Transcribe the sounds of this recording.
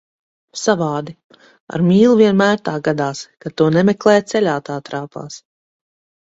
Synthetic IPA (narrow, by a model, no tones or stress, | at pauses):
savaːd̪i | a̰ɾmʲiːlˠuviɛnmæːɾt̪aːɡad̪aːskat̪uɔnɛmɛklˠɛːjt̪sɛlʲaːt̪aːt̪ɾaːpa̰ːs